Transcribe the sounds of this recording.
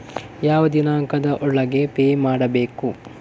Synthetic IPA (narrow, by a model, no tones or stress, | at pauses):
jaːʋɐd̪inaːŋkɐd̪ɐʔɔɭːɐɡepeːmaːɽɐbeːku